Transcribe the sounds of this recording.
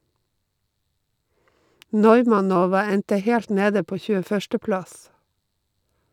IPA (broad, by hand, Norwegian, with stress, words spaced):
ˈnɔʏmɑˌnoːʋɑ ˈɛntə ˈhɛlt ˈneːdə ˈpoː çʉːəˈfœʃtə ˈplɑs